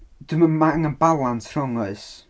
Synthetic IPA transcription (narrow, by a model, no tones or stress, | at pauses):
d̥umanmaŋənbalˠantʰr̥ɔŋʊɨs